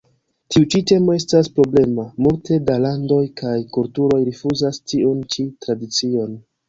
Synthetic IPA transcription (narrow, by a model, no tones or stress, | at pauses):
tiut͡ʃite̞mo̞e̞staspɾo̞ble̞mamultʰe̞dalando̞jkʰajkultuɾo̞jɾifuzastʰiunt͡ʃitɾadit͡sio̞n